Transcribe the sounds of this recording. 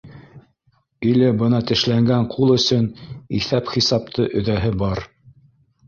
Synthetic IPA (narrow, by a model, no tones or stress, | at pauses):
ilɘbɤnɑt̪ɘ̆ʃlæŋɡæɴqʰulˠɵ̆sɵniθæpχisɑp̚t̪ʰɤʔɵ̆ðæɦɘbɑɾ